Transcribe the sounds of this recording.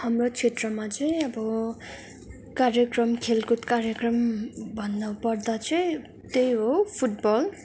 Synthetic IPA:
hʌmrot͡sʰet̪rʌmat͡sʌjʌbʌ | kaɾjʌkrʌmkʰelkut̪kaɾjekrʌmbʱʌnd̪ʌwpʌrd̪at͡sʰʌj | t̪ejɦopʰuʈbʌl

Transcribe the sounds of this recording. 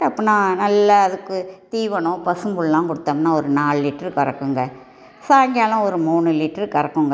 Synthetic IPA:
ʈɐpːɐnãːnɐlːɐːðɯkːɯt̪iːʋɐɳʊ̃pɐsɯmbɯɭlãːŋkɔɽɯt̪ːaːmnaːɔɾɯnaːɭlɪʈːɐɾkɐɾɐkːɯŋɡɐ | saːŋɡjaːlʊ̃ɔɾɯmuːnɯlɪʈːɐɾkɐɾɐkːɯŋɡɐ

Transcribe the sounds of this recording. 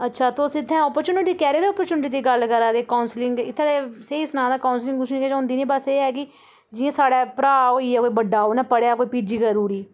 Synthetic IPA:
ətːʃʰaːt̪osɪt̪ʰːɛ̃ːɔːpəɾt͡ʃuːnɪʈiːkɛːɾɾɔːpəɾt͡ʃuːnʈiːd̪iːɡəlkəɾaːd̪eːkaʊnslɪŋɡɪt̪ʰːẽːd̪eseisʊnãːd̪aːkaːʊnslɪ̃ŋɡkʊʃniːɛːd͡ʒãɦʊ̃nd̪iːnĩːbaseːɛːkɪ | d͡ʒɪãːsaːɽaːpɾaːɦoːiːaːkoːiːbəɖaːoːnapəɽeaːkoːiːpiːd͡ʒiːkəɾuːɽiː

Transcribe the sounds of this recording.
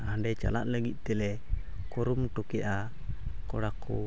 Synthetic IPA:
aɖɛt͡ʃa̰la̰ʔləɡiʔ̚t̪ɛlɛ | kɔɾumʈukɛʔa | kɔɽakːṵ

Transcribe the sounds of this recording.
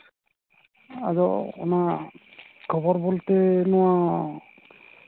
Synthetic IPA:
a̰zɔɔ̰na | kʰɔbɔɹbolt̪ɛnɔwa

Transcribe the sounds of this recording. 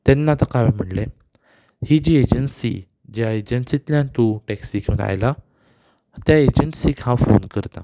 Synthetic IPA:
t̪ɛnːat̪əkaʋim̤əʈle | hid͡ʑiːed͡ʑənsḭ | d͡ʑjaed͡ʑənsit̪ljãnt̪oʈɛksikʰona̰jla | t̪jaed͡ʑənsikʰãfo̰nkəɾt̪a̰

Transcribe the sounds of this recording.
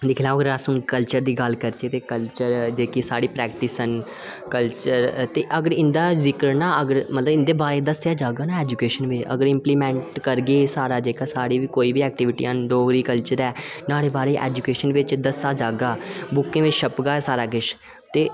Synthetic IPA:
d̪ɪkʰlãːɡəɾasʊnkəlt͡ʃəɾd̪iːɡəlkəɾt͡ʃeːt̪eːkəlt͡ʃəɾd͡ʒeːkisaːɽiːpɾɛːk̚ʈɪsən | kəlt͡ʃəɾt̪eːʔəɡəɾɪ̃nd̪aːzɪkəɾnaːəɡəɾmət̪ləɪ̃nd̪eːbaːɾeːd̪əsjaːd͡ʒaːɡaːnaːɛːd͡ʒukeːʃənʋɪt͡ʃə̰ɡəɾɪ̃mpliːmɛ̃ːɳʈkəɾɡeːsaːɾaːd͡ʒeːkaːsaːɽiːikoːiːbiːɛːk̚ʈɪːʋɪʈḭãːnɖoːɡɾiːkəlt͡ʃəɾɛːnaːɽeːbaːɾeːʔɛ̰ːd͡ʒuːkeːʃənʋɪt͡ʃd̪əsaːd͡ʒaːɡaːbʊkːẽːʋɪt͡ʃʃʰəpɡaːsaːɾaːkɪʃ | t̪eː

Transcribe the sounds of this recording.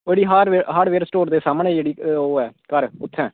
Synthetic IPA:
eːɽiːɦaːɖʋeːɦaːɖʋeːɾsʈoːɾd̪eːsaːməɳɛ̃ːd͡ʒeːɽiːoːɛːkəɾʊt̪ʰːɛ̃ː

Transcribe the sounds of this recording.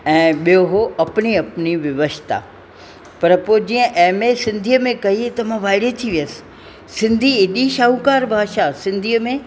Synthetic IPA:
ɛ̃ːɓijoɦoɐpniɐpniʋjɐʋəst̪ʰa̰ | pɐɾpod͡ʑiːə̃ʔɛːmẽsɪ̃nd̪ʱijəmẽkɐit̪ɐmãʋaːɪɽet̪ʰiʋijəsɪ̥ | sɪ̃nd̪ʱiɪɗiʃaːɦukaːɾbʱaːʃasɪ̃nd̪ʱiːəmẽ

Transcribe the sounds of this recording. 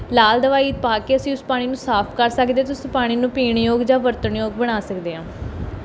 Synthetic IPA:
laːld̪əʋaːiːt̪̚paːkeːəsĩːʊspaːɽ̃iːnũːsaːpʰkəɾsəkd̪eːt̪ʊspaːɽ̃iːnũːpiːɳjoːɡd͡ʒãːʋəɾt̪əɳjoːɡ̚bəɽ̃aːsəkd̪eːɦãː

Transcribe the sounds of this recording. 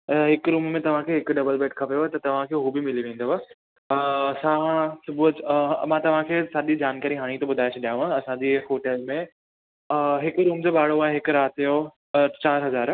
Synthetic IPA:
ɦɪkɾuːmmẽt̪ɐʋ̤ãkʰeːɦɪkɖɐbəlbeːʈkʰɐpjoet̪ɐt̪ɐʋ̤ãkʰeːɦubɪmɪliʋẽːn̆d̪oa | sãsʊbumãt̪ɐʋ̤ãkʰeːsaːɗ̪id͡ʑaːnkaːɾiɦaːɽ̃ĩt̪oɓʊd̪ʱaːɪet͡ɕʰɗijaːʋãɐsãd͡ʑiɦoːʈeːlmẽ | ɦɪkɾuːmd͡ʑoːɓaːɽ̤oaːeɦɪkɾaːt̪jo | t͡ɕaːɾɦɐzaːɾ

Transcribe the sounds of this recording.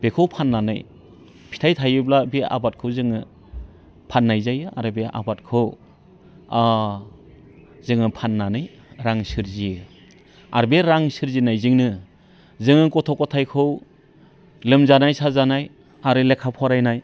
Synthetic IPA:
b̥ekʰɯwpʰanːanaj | pʰi̥tʰajtʰajɯblabea̰bat̚kʰɯwzɯŋɯ | pʰanːajzajɯa̰ɾɯbeʔa̰bat̚kʰɯw | a | zɯŋɯpʰanːanɯj | ɾaŋsɯɾzijɯ | a̰ɾbeɾaŋsɯɾzinajzɯŋnɯ | zɯŋɯkɔtʰɔkɔtʰajkʰɯw | lɯmzanajsazanaj | aɾɯlekʰapʰɔɾajnaj

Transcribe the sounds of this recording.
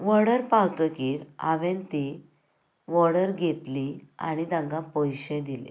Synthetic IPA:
ʋəɽəɾpawt̪əkiːɾa̰ʋẽnt̪i | ʋɔɽəɾɡʱet̪lia̰ɽ̃id̪ãɡãpɔjɕẽd̪ilḛ

